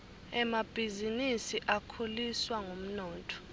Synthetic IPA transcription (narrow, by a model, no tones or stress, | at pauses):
ɛmab̥ʱizinisiʔakʰoliswaŋom̩nɔːtʼʰɔ̥